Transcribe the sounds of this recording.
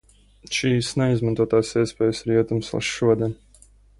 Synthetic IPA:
ʃiːsnɛizmant̪uɔt̪aːsiɛspeːjsiɾiɛt̪umslˠa̰ʃʃuɔd̪ʲiɛn

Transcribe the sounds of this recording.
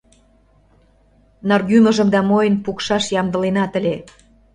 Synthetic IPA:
nɑrɣymə̆ʒə̆md̪ɑmojə̆npukʃɑʃjɑmd̪ə̆lenɑt̪ə̆lʲe

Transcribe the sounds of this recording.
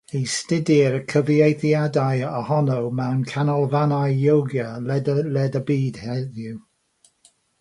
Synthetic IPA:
ejstɪdɪɾəkʰəvjejθjadajəhɔnowmɛwnkʰanɔlˠvanajjowɡjəlɛdlɛdəbiːd̥hɛðjuw

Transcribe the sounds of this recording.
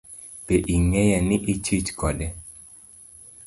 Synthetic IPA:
peʔiŋɛjanɪʔit͡ʃit͡ʃkɔdɛ

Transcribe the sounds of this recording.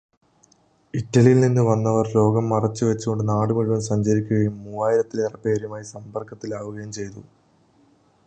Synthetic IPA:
itːɐlijilninːɨʋɐnːɐʋɐrlo̞ːɡɐmːɐrɐt͡ɕːɨʋet͡ɕːuko̞ɳɖɨnaːɽɨmuɻuʋɐmsɐɲd͡ʑɐɾikʲːuɣɐjumːuːaːjiɾɐt̪ːilerɐpe̞ːɾumaːjisɐmbɐrkɐt̪ːilaːʋuɣɐjɐmt͡ɕe̞jt̪ṵ

